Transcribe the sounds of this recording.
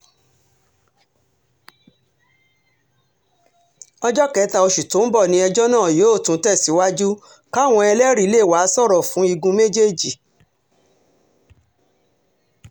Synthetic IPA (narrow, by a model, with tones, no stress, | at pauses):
ɔ˧d͡ʒɔ˦kɛ˨˦ta˧o˧ʃu˨tõ˨˦bɔ˦˨nĩ˧˦ɛ˧d͡ʒɔ˦nãː˦˨jo˨˦˨tũ˨˦tɛ˦˨si˨˦wa˦d͡ʒu˦ | ka˦˨w̃ɔ̃˧ɛ˧lɛ˦ɾi˦le˦˨wa˨˦sɔ˦˨ɾɔ˨fũ˨˦i˧ɡũ˧me˦d͡ʒe˦˨d͡ʒi˨